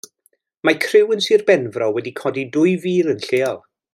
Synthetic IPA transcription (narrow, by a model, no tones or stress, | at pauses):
makʰrɪwənsiːrbɛnvrɔwɛdikʰɔdidʊɨviːlˠənɬeːɔlˠ